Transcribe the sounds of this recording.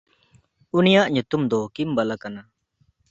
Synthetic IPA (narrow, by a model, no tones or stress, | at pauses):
unijaʔɲut̪umd̪ɔkimbalakana